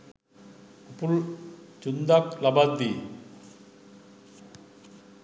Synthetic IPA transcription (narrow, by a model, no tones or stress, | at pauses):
upult͡ʃund̪aklabad̪ːi